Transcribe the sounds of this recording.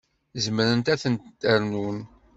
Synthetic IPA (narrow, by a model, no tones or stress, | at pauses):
zəmɾənt̪æθənt̪t̪ːəɾnun